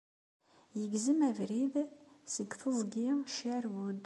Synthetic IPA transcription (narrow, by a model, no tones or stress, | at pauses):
jəɡzəmævɾiðsəɡθəzˤɡiʃæɾwud̪